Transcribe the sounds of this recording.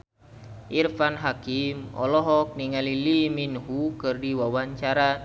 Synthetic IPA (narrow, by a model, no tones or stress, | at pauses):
ʔirfanɦakimɔ̰lɔɦɔk̚niŋaliliminɦukɨrdiwawaɲt͡ʃaɾa